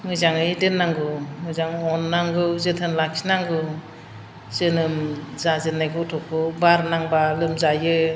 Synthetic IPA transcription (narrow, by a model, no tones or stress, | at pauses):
mɯzaŋɯjdɯnːaŋɡɯmɯzaŋɔnːaŋɡɯzɯtʰɯnlakʰinaŋɡɯ | zɯnɯmzazɯnːajɡɔtʰɔkʰɯbaɾnaŋbalɯmzajɯ